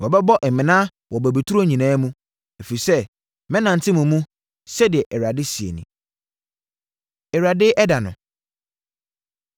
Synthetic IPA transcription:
wɔ˨bɛ˦bɔ˦ʔɛ˨mɪ̃˨nã˦ | wɔ˨bæ˨bi˨tʰu˦ɾo˦ɲĩ˨nãː˦mũ˦ | e˨fi˨i˨sɛ˦ | mɛ̃˦nã˨n̩˨tʰɪ˦mũ˨mũ˦ | sɛ˦dɪ˨ɛ˨ʔɛ˨ɾa˨dɪ˦si˨ḛ˨nḭ̃˨ | ɛ˨ɾa˨dɪ˦ʔɛ˦da˨nʊ̰̃˨

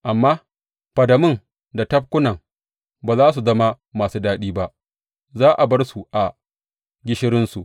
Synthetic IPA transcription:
ʔa˨mːaː˦ | ɸɐ˨dɐ˨mɪ˦ŋ | da˨tɐ˦p̚kʷʊ˦nɐ˨ŋ | baː˨zaː˦s̬u˨zɐ˦ma˦ | maː˨suː˦daː˦ɗiː˦ba˦ʔ | zaː˦ʔa˨bɐ˦rsu˨ʔa˨ | ɡʲɪ˦ʃɪ˦ɾɪ˦nsu˨ʔ

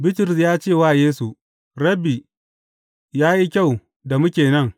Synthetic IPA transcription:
bɪ˦tʊ˨ɾɪ˨sjaː˦t͡ʃeː˦˨waː˦˨jeː˦su˨ | ɾɐ˦bi˨ | jaː˦ji˦kʲa˦˨w | da˨mʊ˦kʲeː˨nɐ˦ŋ

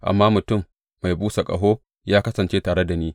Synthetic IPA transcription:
ʔa̰˨mːaː˦mʊ˨tʊ˦˨mː | a˨jbuː˦sa˨kʼɐ̰˨ɦoː˦ | jaː˦kɐ˦sɐ˨nt͡ʃeː˦taː˨ɽe˦da˨niː˦

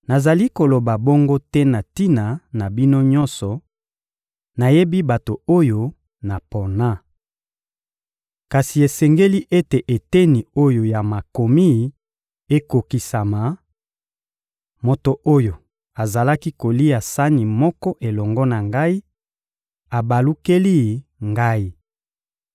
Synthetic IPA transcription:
na˨za˨li˦ko˨lo˨ba˨bo˦ŋɡo˦tɛ˦na˨ti˦na˨na˨bi˦no˦ɲɔ˦nsɔ˨ | na˨je˦bi˦ba˨to˨o˦jo˦ | na˨po˨na˦ | ka˨si˨e˨sɛ˨ŋɡe˦li˦ʔe˦te˨ʔe˨te˦ni˨o˦jo˨ja˨ma˨ko˨mi˦˨ | e˦ko˨ki˨sa˨ma˨ | mo˨to˨ʔo˦jo˨ | a˨za˨la˦ki˦ko˨li˦a˨sa˦ni˨mɔ˦kɔ˦ʔe˨lɔ˨ŋɡɔ˦na˨ŋɡa˦i˦ | a˨ba˨lu˦ke˦li˦˨ŋɡa˦i˦

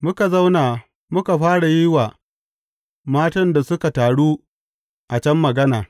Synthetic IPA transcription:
mʊ˦ka˨za˦wnaː˨ | mʊ˦ka˨ɸaː˦ɽa˨jɪ˦waː˨ | maː˦tɐ˦nda˨sʊ˦ka˨taː˨ɽuː˦ | ʔa˨t͡ʃɐ˦mːɐ˨ɡɐ˦naː˨

